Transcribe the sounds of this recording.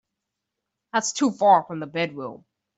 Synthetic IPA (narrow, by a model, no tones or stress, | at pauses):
ðætstʰufɑɹfɹə̃mðəbɛd̚wɪlˠ